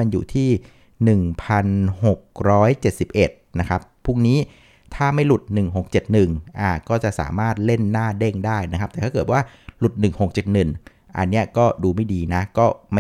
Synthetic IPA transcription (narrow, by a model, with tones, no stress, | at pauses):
a˧njuː˨˩t̪ʰiː˥˩ | nɯ˨˩ŋpʰa˧nho˨˩k̚ɾɔː˦˥jt͡ɕe˨˩t̪̚si˨˩p̚ʔe˨˩t̪̚na˦˥kʰa˦˥pʰːu˥˩ŋniː˦˥ | t̪ʰaː˥˩ma˥˩jlu˨˩t̪̚nɯ˨˩ŋɦo˨˩k̚t͡ɕe˨˩t̪̚nɯ˨˩ŋʔaː˨˩kɔː˥˩t͡ɕa˨˩ʔsa̰ː˩˦maː˥˩t̪̚le˥˩nːaː˥˩de˥˩ŋdaː˥˩jna˦kʰa˦˥p̚t̪ɛː˨˩aː˥˩kɤː˨˩t̪̚waː˥˩lu˨˩t̪̚nɯ˨˩ŋho˨˩k̚t͡ɕe˨˩t̪̚nɯ˨˩n | ʔa̰˧nːi˦˥ɐkɔː˥˩duː˧ma˥˩jdiː˧na˦˥kɔː˥˩ma˥˩